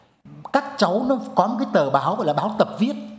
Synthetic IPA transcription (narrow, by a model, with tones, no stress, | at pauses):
kaː˦˥k̚t͡ɕə˨˦wnɔ˨˦kɔ˨˦m˨˩kaː˨˦jt̪əː˨˩ɓaː˨˦wɣɔ̰˧˨jlaː˨˩ɓaː˨˦wt̪ə˨˩p̚vi˦˥ət̚